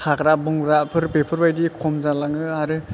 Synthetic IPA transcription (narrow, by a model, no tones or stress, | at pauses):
tʰakɾabɔŋɾapʰɯɾpepʰɯɾbajdikʰɔmzalaŋɯaɾɯ